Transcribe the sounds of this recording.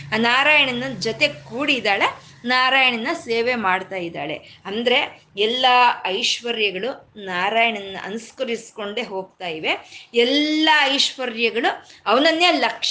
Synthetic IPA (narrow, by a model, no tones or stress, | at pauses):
aːnaːɾaːjɐɳɐnːɐd͡ʒot̪e̞kuːɽid̪aːɭe̞ | naːɾaːjɐɳɐnːɐseːʋe̞maːɖt̪aːjid̪a̰ːɭe̞̰ɐnd̪ɐɾe̞ | ɛlːɐɐjʃʋɐɾjɐɡɐɭunaːɾaːjɐɳɐnːɐ̰ʔɐ̰nskɐɾisko̞ɳɖe̞ɦo̞ːɡt̪aːjiʋe̞ɛlːɐɐjʃʋɐɾjɐɡɐɭuɐʋɐnɐnːeːlɐkʂ